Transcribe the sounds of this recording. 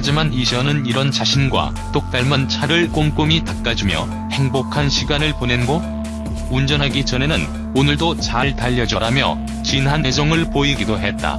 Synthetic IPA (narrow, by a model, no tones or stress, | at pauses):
had͡ʑimaniɕʰʌnɯniɾʌnt͡ɕaɕʰinɡwa̰ | t͈ok̚t͈aɭmʌnt͡ɕʰaɾɯɭk͈omk͈ɯmitak̚k͈ad͡ʑumjʌ̰ | he̞ŋbokʰanɕʰiɡanɯɭpone̞nɡo | und͡ʑʌnɦaɡit͡ɕʌnenɯn | onɯɭdot͡ɕaɭtaʎːʌd͡ʑʌɾamjʌ̰ | t͡ɕinɦaned͡ʑʌŋɯɭpoiɡidoɦe̞t̚t͈a̰